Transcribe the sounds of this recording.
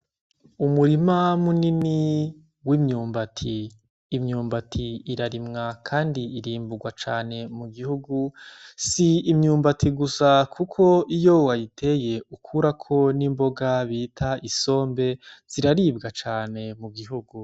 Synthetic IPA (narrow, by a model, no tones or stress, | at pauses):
umuɾimamunini | wimɲuːmbatʰiː | mɲuːmbatʰiːɾaɾimŋakʰaːndiiɾiːmbuɡwat͡ʃaːne̞muɡihuɡusiimɲuːmbatiɡusakʰukʰo̞ijo̞wajitʰe̞je̞ukʰuɾakʰo̞nimbo̞ɡaβiːtʰaiso̞ːmbe̞z̥iɾaɾiːb̚ɡat͡ʃaːne̞muɡiɦuɡu